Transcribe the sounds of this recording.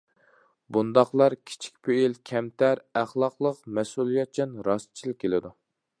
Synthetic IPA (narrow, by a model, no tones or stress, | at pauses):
bund̪ɑχlˠɑɾkʲʰi̥t͡ʃʰi̥kʲpʰeilkʲʰɛmt̪ʰæɾæχlˠɑqlˠəqmɛsulˠijɛt̪̚t͡ʃʰɛnɾɑst̪t͡ʃʰilɪkʲʰːelɪd̪u